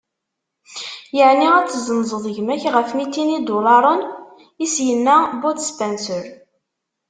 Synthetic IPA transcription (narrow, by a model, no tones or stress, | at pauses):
jəʕniæt͡sːzənzˤəðˤʝmæçʁəfmit̪ːinid̪ulɑɾˤən | isjənːæbod̪spænsəɾ